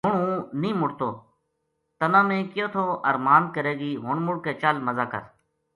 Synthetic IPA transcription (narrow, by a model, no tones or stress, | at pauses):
ɦʊɳũːnĩːmʊɽt̪oː | t̪ənãːmẽːkɪjoːt̪ʰoːʔəɾmaːnkəɾeːɡiːɦʊɳmʊɽkeːt͡ʃaːlməzaːkə̰ɾ